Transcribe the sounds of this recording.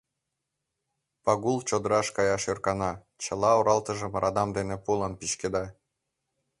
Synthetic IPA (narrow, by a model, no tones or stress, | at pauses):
pɑɣulˠt͡ɕod̪əɾɑʃkɑjɑʃørkɑnɑ | t͡ɕə̆lˠɑoɾʔɑlt̪ə̆ʒə̆mɾʔɑd̪ɑmd̪enepulˠɑnpiʃked̪ɑ